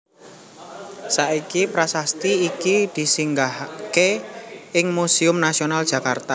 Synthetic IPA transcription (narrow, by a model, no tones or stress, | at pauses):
saikipɾasast̪iːkid̪̥i̤siŋɡahke | ɪŋmusiʊmnasional̥ʒ̥a̤kart̪a